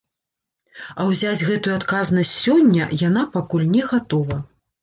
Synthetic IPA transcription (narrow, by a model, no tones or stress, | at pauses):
ɐwzʲad͡zʲɣɛt̪ujuat̪kaznɐsʲt͡sʲsʲɔnʲːɐjanapakulʲnʲɛɣat̪ɔvɐ